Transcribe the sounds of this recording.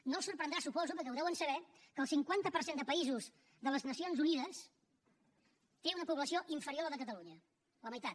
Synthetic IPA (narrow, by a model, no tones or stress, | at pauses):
nolˠsuɾpɾənd̪ɾasupɔzupəɾkɛwðɛwənsəβ̞ɛkəlˠsiŋkwant̪əpəɾsend̪əpəizuz | ðələznəsionzuniðəs | t̪eunəpuβləsioʔiɱfəɾioɾðəkət̪əluɲə | ləməjt̪at̪